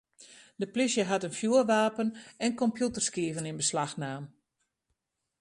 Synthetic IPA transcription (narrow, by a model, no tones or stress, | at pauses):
dəplisjəɦatənfjuərʋaːpənɛnkɔmpjutərskiəvənɪnbəslaxnaːm